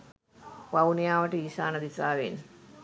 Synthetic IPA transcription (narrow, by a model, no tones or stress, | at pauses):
ʋaunijaːʋəʈəiːsaːnɐd̪isaːʋen